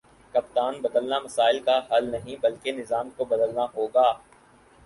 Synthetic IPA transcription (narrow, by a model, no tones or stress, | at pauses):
kɐpt̪aːnbɐd̪əlnamɐsaːɪlkaɦɐlnɐɦĩbɐlkenɪzaːmkobɐd̪əlnaɦoːɡaː